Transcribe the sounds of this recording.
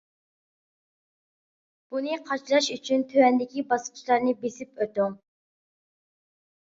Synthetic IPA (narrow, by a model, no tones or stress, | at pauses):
b̥unɨqʰɑt͡ʃʰlˠɑʃyt͡ʃʰynt̪ʰøwɛnd̪ɪkʲibɑsqʰt͡ʃʃlˠɑɾnɨbesɪpøt̪u